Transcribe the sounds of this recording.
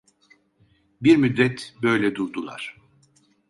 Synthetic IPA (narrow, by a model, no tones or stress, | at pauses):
biɾmyd̪ɾɛt̪bø̞jlʲɛd̪uɾd̪ulˠa̰ɾ̝̥